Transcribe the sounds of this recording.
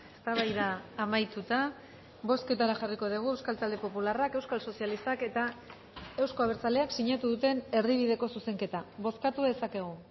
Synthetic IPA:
est̪aβajðaːmajt̪ut̪a | βo̞ske̞t̪aɾaʝariko̞ð̞iɣ̞ue̞wskalt̪ald̪e̞po̞pularake̞wskalso̞sialist̪ake̞t̪a | e̞wsko̞aβ̞e̞ɾt͡sale̞aksiɲat̪uðut̪e̞ne̞ɾðiβ̞iðe̞ko̞suse̞ŋke̞t̪aβo̞skat̪uðe̞sake̞ɣ̞u

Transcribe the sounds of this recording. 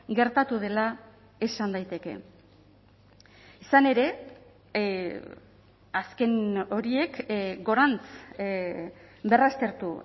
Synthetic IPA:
ɡe̞ɾt̪at̪uðe̞la | e̞sand̪ajt̪e̞ke̞̰ | isane̞ɾe̞ | aske̞no̞ɾie̞kɡo̞ɾant͡s | be̞rast̪e̞ɾt̪u

